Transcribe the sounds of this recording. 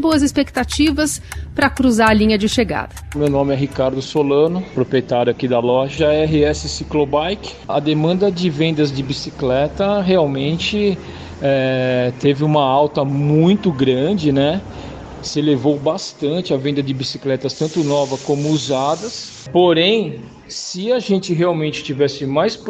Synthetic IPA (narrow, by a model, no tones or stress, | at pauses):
boɐzɪspekt̪at͡ʃivɐspɾɐkɾuzaɾɐlĩɲɐd͡ʒɪʃeɡa̰d̪ɐmewnõmɪɛɦikaɾd̪ʊsolɐ̃nʊpɾopɾiet̪aɾjʊakid̪ɐlɔʒɐɛɦɪɛsɪsiklobajkɪ̥ɐd̪emɐ̃nd̪ɐd͡ʒɪvẽnd̪ɐzd͡ʒɪbisiklɛt̪ɐɦeawmẽnt͡ʃɪ | ɛt̪evɪũmɐawt̪ɐmũj̃t̪ʊɡɾɐ̃d͡ʒɪnɛ | sɪlevowbast̪ɐ̃nt͡ʃɪɐvẽnd̪ɐd͡ʒɪbisiklɛt̪ɐst̪ɐ̃nt̪ʊnɔvɐkõmʊuzad̪ɐs | poɾẽj̃ | sɪɐʒẽnt͡ʃɪɦeawmẽnt͡ʃɪ̥t͡ʃivɛsɪmajsp